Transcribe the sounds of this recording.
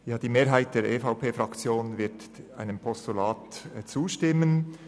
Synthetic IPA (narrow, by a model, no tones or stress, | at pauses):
jaːd̥iːmeːɐɦaɪt̚d̥eːɾʔeːfaʊpʰeːfʁɑkt͡sjoːnvɪɐta̰ɪnəmpʰɔstulaːtt͡suːʃtɪmən